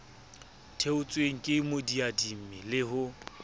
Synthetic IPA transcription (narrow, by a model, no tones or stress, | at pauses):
tʰeʊt͡sʼweŋ̩kʼɪmodiadim̩mɪlɪɦʊ